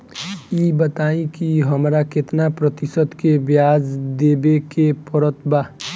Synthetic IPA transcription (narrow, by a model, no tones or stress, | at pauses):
ibət̪aːĩkiɦəmɾaket̪napɾət̪ɪsət̪kebjaːd͡ʒd̪eːbekepəɾət̪ba